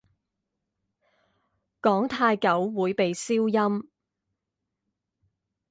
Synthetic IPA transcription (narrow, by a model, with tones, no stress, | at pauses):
kɔː˨˥ŋt̪ʰaː˧jkɐ˨˥wːuː˨˥jpe˨jsiː˥wjɐ˥m